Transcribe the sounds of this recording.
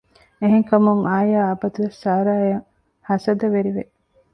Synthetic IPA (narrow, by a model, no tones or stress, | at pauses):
eɦeŋkɐmuŋaːjaːɐbɐt̪uʋesːaːɾaːjɐŋ | hɐsɐd̪ɐʋeɾiʋe